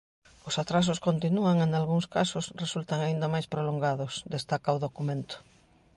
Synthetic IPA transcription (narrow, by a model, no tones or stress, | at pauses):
ʊsat̪ɾas̬ʊskont̪inuaŋeŋalɣuŋskasʊsresult̪aŋaind̪amajspɾoloŋɡaðʊsd̪est̪akaʊðokumẽnt̪ʊ̥